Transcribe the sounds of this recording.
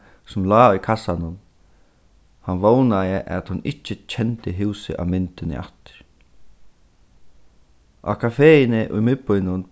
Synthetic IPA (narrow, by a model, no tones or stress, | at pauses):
sʊmlaːʊjkʰasanʊn | hanvownajɪʔa̰t̪hʊnɪcːɪt͡ɕʰɛnt̪ɪɦɪwsɪ̰ʔa̰wmɪnt̪ɪnɪ̰ʔa̰ht̪ɪ̥ɾ̥ | ʔa̰kʰafeːɪnɪʔʊjmɪt̪̚pʊjnʊn